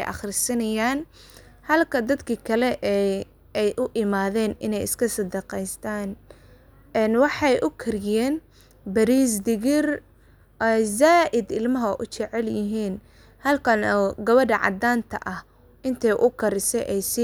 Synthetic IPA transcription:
jʔɑ̰χrɪsɐnɐjaːn | hɐlkʰɐd̪ɐd̪kʰikʰɐlɛʔɛ | ɛjʔʊʔɪmaːðɛːnɪ̰nɛjɪskʰɐsɐd̪ɐqɛjst̪ʰaːn | ɛnwɑħɑjʔʊkʰɪrjɛːn | bɐɾiːs̬d̪ɪɣɪr | zaːʔɪd̪ɪlmɐɦɐʔʊt͡ʃɛʕɛljɪɦiːn | hɐlkʰɐnɔːɡɐβɐɖɐʕɑ̰d̪aːnt̪ʰɐ̰ʔɐh | ʔɪnt̪ʰɛjʔʊkʰɐɾɪsɛʔɛjsɪ

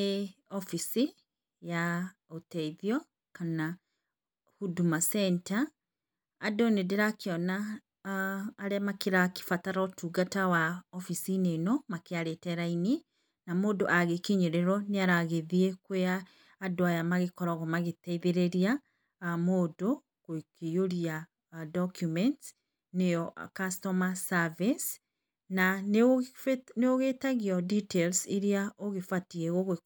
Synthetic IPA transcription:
eɔfisi | jaotɛiðiɔ | kana | hudumasɛntaː | donedeɾakeɔna | ɾɛmakeɾake̥fataɾɔtuːɡatawaɔfisinenɔmakeaɾetɛɾaini | namoːdoʔaɣekiɲoɾeɾɔneaɾaɣeðiekweaː | doajamaɣekɔɾɔɣɔmaɣetɛiðeɾeɾia | moːdo | kokejoɾia | dɔkjumɛnt | neɔkastɔmasavis | na | neoɣetaɣiɔditelseɾiaoɣefatieɣoɣ

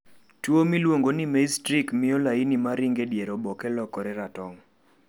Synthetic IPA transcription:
twomilwoŋɡonimestɾikmɪolainimaɾiŋɡedjeɾɔbɔkɛlɔkɔɾɛɾatɔŋ

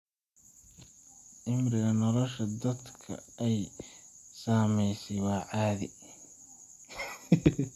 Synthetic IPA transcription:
ʔɪmrɪɣɐnɔlɔʃɐd̪ɐd̪kʰɐ̰ɛj | saːmɛjsɛjwɑːʕaːðɪ

